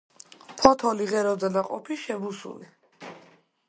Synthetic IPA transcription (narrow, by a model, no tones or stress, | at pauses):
pʰɔt̪ʰɔliʁɛɾɔd̪zɛnaqʼɔ̰pʰiʃɛbusṵli